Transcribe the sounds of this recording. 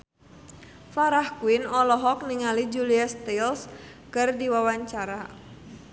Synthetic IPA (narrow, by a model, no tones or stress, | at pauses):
faɾahkuɪnɔlɔɦɔk̚niŋalid͡ʒuliast̪els | kərdiwawaɲt͡ʃaɾa